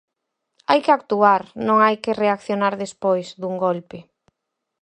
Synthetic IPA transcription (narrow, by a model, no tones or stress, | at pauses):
ajkɪak̚t̪uaɾnõŋajkɪreakθjonaɾðespojzðuŋɡolpɪ